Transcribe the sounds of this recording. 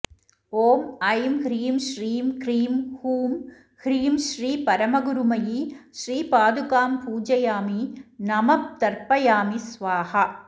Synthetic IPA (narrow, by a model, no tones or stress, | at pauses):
oːmɐjmhɾiːmʃriːmkɾiːmhuːm | hɾiːmʃriːpɐɾɐmɐɣʊɾumɐjiʃɾiːpaːd̪ukaːmpuːd͡ʒɐjaːminɐmɐp̚t̪ɐɾpɐjaːmisʋaːhɐ